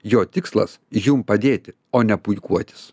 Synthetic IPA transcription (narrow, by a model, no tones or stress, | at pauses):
joːt̪ʲɪkslˠɐ̰sjumpɐd̪ʲeːt̪ʲɪ | oːnʲɛpʊjkuɔt̪ʲɪ̥s